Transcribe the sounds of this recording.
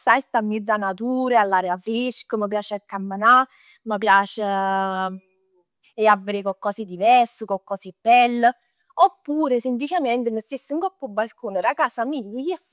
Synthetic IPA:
sajst̪amːid̪zːanat̪uːɾealːaːɾeafɾiʃkəməp̬jaːt͡ʃakːamːəna | məpjaːt͡ʃe | eavːeɾekɔkːɔːsid̪ivɛɾsukɔkːɔsibːɛlːə | opːuːɾesemplit͡ʃemɛnt̪ɪnəst̪esːəŋkɔpːubːalkuːnɪɾakaːsamiʎːəjɛs

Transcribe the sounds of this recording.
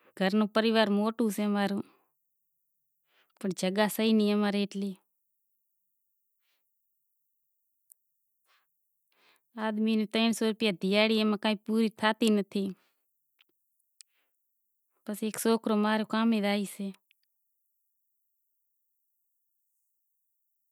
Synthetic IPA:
ɡʱəɾnõːpəɾɪʋaːɾmoːʈũːseːmaːɾũː | pəɳd͡ʒʱəɡaːsəɦiːniːəmaːɾeːʈleː | aːd̪miːnĩːt̪əːnsoːɾəpɪjaːd̪ɪjaːɽiːeːmãːkãːĩːpuːɾiːt̪ʰaːt̪iːnət̪ʰiː | pəseːksoːkʰɾoːmaːɾoːkaːmẽːdaːiːseː

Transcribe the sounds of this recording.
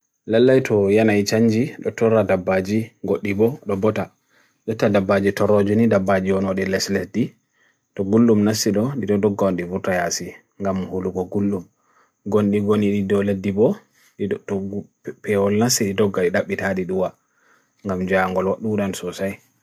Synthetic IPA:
lalːajtɔjanajt͡ʃaɲd͡ʒiɗɔtɔɾadabːad͡ʒiɡoɗːibɔɗɔbɔta | ɗɔtːadabːad͡ʒitɔɾɔd͡ʒunidabːad͡ʒiwɔnɔɗɛlɛsledi | tɔɡulːumnasːiɗɔɗiɗɔdɔɡːawanɗivutajasi | ŋɡamhuluɡɔɡulːum | ɡonɗiɡoniɗidɔledːibɔ | pɛwɔlnasːiɗidɔɡːaɗiɗaɓːitaɗiɗuwa | ŋɡamd͡ʒaŋɡɔlwaɗːuɗansɔsaj

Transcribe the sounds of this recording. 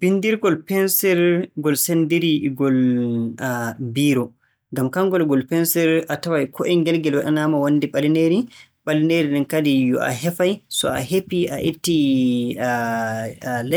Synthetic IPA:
b̥indiɾɡɔlpɛnsɛɾɡɔlsendiɾiɡɔl | biːɾɔ | ŋɡamkaŋɡɔlɡɔlpɛnsɛɾatawajkɔʔɛnɡɛlɡɛlwaɗɛnamawanːdiɓalineɾi | ɓalineɾinɛnkadijɔ̰ʔa̰ɦɛfajsɔ̰a̰ɦepia̰ʔitːi | lɛ

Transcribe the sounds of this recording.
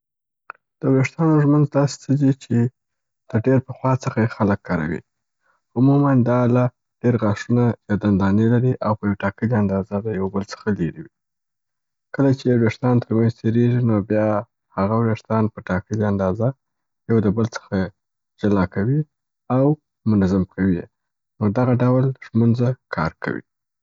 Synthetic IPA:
d̪̥əweʂt̪ɑnoʒmənzd̪ɑse̥t͡səd̪it͡ʃe | d̪̥əɖeɾpəxwɑt͡səxajexaləkːɑɾa̰wḭ | ʊmumand̪ɑlɑ | ɖ̥eɾɣɑʂunajɑd̪and̪ɑnelaɾiʔawpəjawʈɑkəliand̪ɑzad̪əjawbəlt͡sə̥xaleɾiwi | kəlat͡ʃewɾeʂt̪ɑnt̪ʰəɾmanzt̪ʰeɾeʒinobjɑ | haɣawɾeʂt̪ɑnpəʈɑkəliand̪ɑza | jawd̪əbəlt͡sə̥xa | d͡ʒalɑkawi | aw | mʊnazamkʰawi | nod̪aɣaɖawlʒmunzakʰɑ̰ɾkʰa̰wḭ

